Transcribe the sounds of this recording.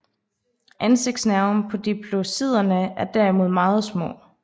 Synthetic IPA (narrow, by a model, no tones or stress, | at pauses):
ʔænse̝ɡ̥d̥snæɐʊnpʰɒ̽d̥ipʰlo̝sið̞̰ˠɐnəæɐd̥æɐimo̝ð̞̰ˠmɑ̈ːð̞̩ˠsmɔ̰̽ː